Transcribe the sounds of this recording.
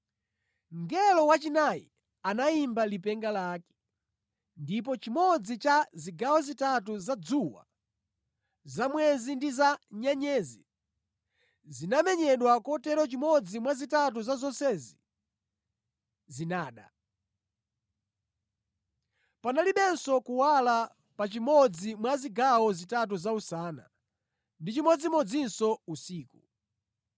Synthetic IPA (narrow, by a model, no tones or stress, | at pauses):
ŋɡɛlɔwat͡ʃinajḭ | anaimbalipɛŋɡalaːkɛ̥ | ndip̬ɔt͡ʃimɔd͡zit͡ʃaziɡawɔzitatuzad͡zuwa̰ | zamwɛzindizaɲaɲɛːzi | zinamɛɲɛɗwakɔtɛɾɔt͡ʃimɔd͡zimwazitat̬uzazɔnsɛzi | zinaːɗa̰ | panaliɓɛnsɔkuwala | pat͡ʃimɔd͡zimwaziɡawɔzitat̬uzausaːna̰ | ndit͡ʃimɔd͡zimɔd͡zinsɔusiːku